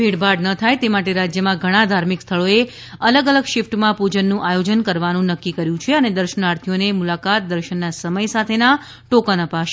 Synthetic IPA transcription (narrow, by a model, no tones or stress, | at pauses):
bʱeɽbʱaɖnət̪ʰajt̪emaʈeɾad͡ʒjəmãɡʱəɽ̃ad̪ʱaɾmikst̪ʰəɭoe | ələɡələɡʃɪfʈmãpud͡ʒənːũʔajod͡ʒənkəɾʋanũnəkːikəɾjũt͡ʃʰeəned̪əɾʃənaɾt̪ʰijonemulakat̪̚d̪əɾʃənːasəməjsat̪ʰena | ʈokənəpaʃe̥